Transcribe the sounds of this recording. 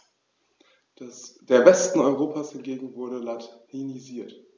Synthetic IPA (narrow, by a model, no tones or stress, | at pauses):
d̥eːɐvɛstn̩ɔʏʁoːpʰaːshɪnɡeːɡŋ̩vʊɐɾəlatiniziːɐt